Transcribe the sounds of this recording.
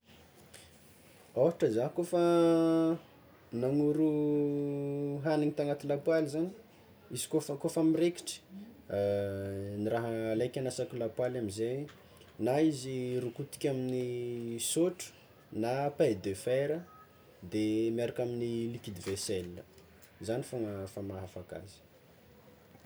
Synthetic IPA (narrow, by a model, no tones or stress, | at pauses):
oɦaʈ͡ʂəzaɦkofa | naŋuɾu | ɦaniŋit̪aŋat̪ilapwalizani̥ | izi̥kofəkofamireki̥ʈ͡ʂə̥ | niraɦəlajkʲanasakulapwalamize | naizirukut̪i̥kʲaminisoʈ͡ʂu̥ | napad̪efeɾə | d̪emiaɾakaminilikid̪iveselːə | zanifoŋəfamaɦafaka̰zi̥